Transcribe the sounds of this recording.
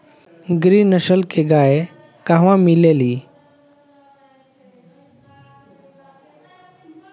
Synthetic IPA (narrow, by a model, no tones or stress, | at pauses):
ɡɾiːnəɕəlkeɡae | kaɦʋãmileli